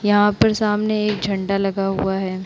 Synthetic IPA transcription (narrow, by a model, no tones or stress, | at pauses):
jɐɦãpɐɾsaːmneeːk̚d͡ʒʱɐ̃ɳɖalɐɡaɦuaɦɛː